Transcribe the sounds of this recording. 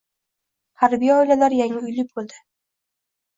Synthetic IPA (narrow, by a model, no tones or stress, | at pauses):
haɾbijaɒjlalaɾjaŋɪʊjlɪk̚ʲbolˠd̪ɪ